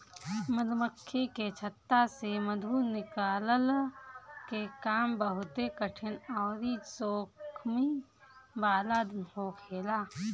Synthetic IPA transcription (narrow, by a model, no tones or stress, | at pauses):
məd̪məkʰːeket͡ʃʰət̪ːaseməd̪ʱunɪkaːləl | kekaːmbəɦʊt̪ekəʈʰɪnɔːɾisoːkʰmi | baːlad̪hoːkʰeːlaː